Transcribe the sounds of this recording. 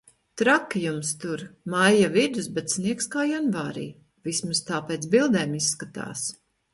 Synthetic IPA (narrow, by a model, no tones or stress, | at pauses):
t̪ɾakjumst̪uɾmajːavid̪usbɛt̪sniɛkskaːjanvaːɾḭː | vismast̪aːpeːt̪sbilˠd̪eːmisːkat̪a̰ːs